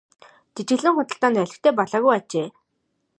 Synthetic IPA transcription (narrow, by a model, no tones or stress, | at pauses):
t̪et͡ɕɡɘ̆ɮɘ̆ŋχʊt̪ə̆ɬt̪aːnæɮʲɪ̆xt̪ʰeːpɔɮaːɣujat͡ɕeː